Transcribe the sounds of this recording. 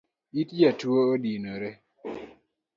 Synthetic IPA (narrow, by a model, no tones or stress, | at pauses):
itd͡ʒatuoodinoɾe